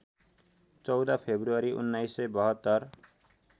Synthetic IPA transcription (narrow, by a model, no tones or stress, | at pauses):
t͡sʌwd̪apʰebruʌɾiʔṵnːajsʌjbʌɦʌt̪ːʌr